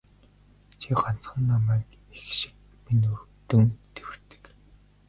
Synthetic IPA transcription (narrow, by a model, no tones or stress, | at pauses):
t͡ɕʰiɢɔn̥t͡sχə̆nːamæːk | ixʃɪ̥̆k̚ | minurt̪ɵ̆ŋt̪ʰewɘ̆rt̪ɘ̥̆k